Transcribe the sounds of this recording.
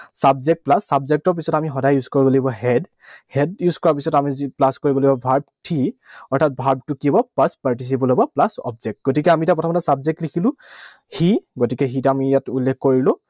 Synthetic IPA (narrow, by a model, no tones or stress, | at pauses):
sabzek̚t̚plasːabzek̚tɔɹpisɔtamiɦɔdajjuzkoɹibɔloibɔɦɛd | hɛdjuzkɔɹapisɔtamiziplaskoɹibɔloibɔbʱaɹb̚tʰiɔɹtʰat̚bʱaɹb̚tukibɔpaspaɹtis̬ibɔlobɔplasɔ̰b̚zɛk̚tɡotikɛamitapɹɔtʰɔmɔtɛsabzek̚tlikʰilʊ̃ | hiɡotikɛxitamijatulːekkːoɹilʊ̃